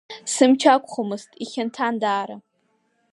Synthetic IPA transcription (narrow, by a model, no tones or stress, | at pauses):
sɨmt͡ʃʰakʷʼχomɨstʼiχʲɪntʰandaːɾa